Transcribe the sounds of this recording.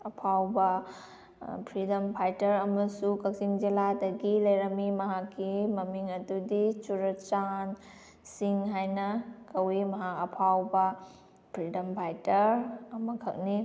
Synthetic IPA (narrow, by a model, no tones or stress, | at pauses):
ɐpʰawbɐ | pʰɾidɐmpʰajtɐɾɐmɐsukɐk̚siŋd͡ʒiladɐɡilɐjɾɐmimɐɦakːimɐmiŋɐdudit͡ʃuɾɐt͡ʃan | siŋɦajnɐkɐwimɐɦakɐpʰawbɐ | pʰɾidɐmpʰajtɐɾɐmɐkʰɐk̚ni